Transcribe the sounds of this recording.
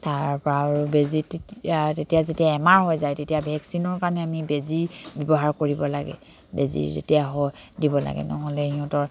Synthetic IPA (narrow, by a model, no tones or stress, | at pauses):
taɹpɔɹaɹubezitttetijazetijaɛmaɹɦɔjzajtetijabʱɛksinɔɹkaɹnɛamibeziɹbɔbɔɦaɹkoɹibɔlaɡɛ̰ | bḛzḭɹzḛtijaɦɔjdibɔla̰ɡɛ̰nɔɦɔlɛɦiɔ̃tɔɹ